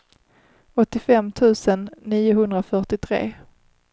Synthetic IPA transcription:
ɔt̪ːɪfɛmːt̪ʰʉ̟ːsənːiːʊɦɵnd̪ɾafœʈɪt̪ʰɾḛː

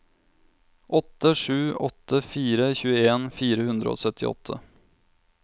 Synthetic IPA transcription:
ʔɔt̪ːəʂʉːɔt̪ʰːəfiːɾəçʉːəeːnfiːɾəhʉnd̪ɾə̰o̰ːsœt̪ʰɪ̰ɔ̰t̪ʰːə̰

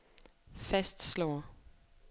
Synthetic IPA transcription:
fæsd̥slɒ̰ːɐ

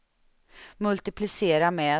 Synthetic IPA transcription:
mɵlt̪ɪpʰlɪseːɾamɛ

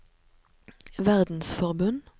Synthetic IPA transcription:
ʋæʁd̪n̩sfɔʁbʉn

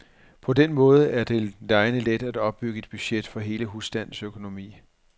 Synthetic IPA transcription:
pʰɒ̽denmɔ̽ːð̞ˠəʔæɐd̥e̝lɑ̈ɪnəled̥æd̥ɒ̽b̥ːyɡ̥əe̝d̥̚b̥yɕed̥fɒ̽ɦe̝ːləɦusd̥æn̰n̩søkʰo̝no̝mḭː

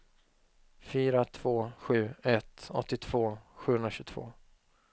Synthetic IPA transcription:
fyːɾat̪ʰv̥oːɧʉ̟ːɛt̪ɔt̪ːɪt̪ʰv̥oːɧʉːhɵnɾaɕʉt̪ʰv̥o̰ː

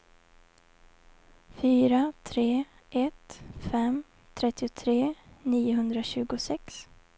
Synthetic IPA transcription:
fyːɾat̪ʰɾeː | ʔɛt̪fɛm | t̪ʰɾɛt̪ːɪʊt̪ʰɾeːniːʊɦɵnd̪ɾaɕʉ̟ːɡʊsɛks

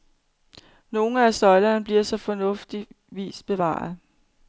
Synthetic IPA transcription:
no̝ːn̩æsɒ̽ɪlɐnb̥liɐsɒ̽fɒ̽nɔ̽fd̥i | ʋḭːsb̥e̝ʋɑ̰̈ːð̩ˠ

